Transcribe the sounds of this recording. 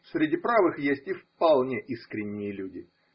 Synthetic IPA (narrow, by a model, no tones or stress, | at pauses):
sʲɾʲɪdʲipɾavɨxjesʲtʲɪfpɐlˠnʲeʔiskɾʲɪnʲːɪjəlʲudʲɪ